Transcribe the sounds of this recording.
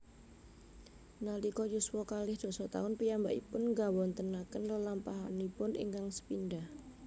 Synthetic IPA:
nalikɔjuswɔkalɪhd̪̥ɔ̤sɔt̪a̰ʊnpijambaʔḭpʊnŋɡawɔnt̪ənakənləlampaɦanipʊnḭŋkaŋsə̥pinɖah

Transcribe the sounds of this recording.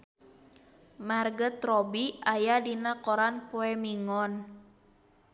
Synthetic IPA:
marɡət̪rɔbiajadinakɔɾanpoɛmiŋɔn

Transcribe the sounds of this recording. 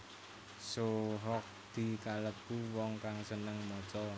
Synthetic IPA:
soɦɔk̚d̪̥i̤kaləpuwɔŋkaŋsənəŋmɔt͡ʃɔ

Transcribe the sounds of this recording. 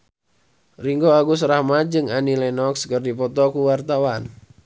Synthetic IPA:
riŋɡoaɡusrahmad͡ʒɨŋanilɛnɔkskərdipɔt̪ɔkuwart̪awan

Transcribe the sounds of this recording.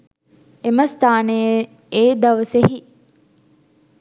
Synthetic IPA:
eməst̪aːnejə | eːd̪ɐʋəseɦi

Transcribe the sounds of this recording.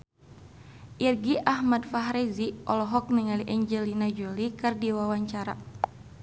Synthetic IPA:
ʔirɡiʔaɦmadfaɦɾɛziʔɔlɔɦɔk̚niŋaliʔɛɲd͡ʒɛlinad͡ʒolikɨrdiwawaɲt͡ʃaɾa̰

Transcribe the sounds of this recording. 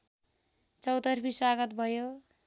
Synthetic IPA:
t͡sʌwt̪ʌrpiswaɡʌt̪bʱʌjo

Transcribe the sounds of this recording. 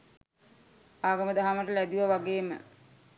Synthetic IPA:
aːɡəməd̪aɦaməʈəlæd̪uʋəʋaɡeːmə̰

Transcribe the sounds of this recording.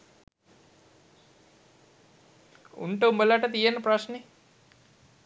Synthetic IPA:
ṵɳʈəumbəlaʈət̪ijenːəprasne

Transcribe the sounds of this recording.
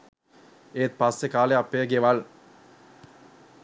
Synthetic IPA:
eːt̪̚pasːekaːleapːeɡeʋaɭ

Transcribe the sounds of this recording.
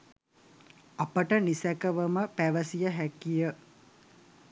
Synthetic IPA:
apəʈənisækəʋəməpæʋəsijəɦækijə

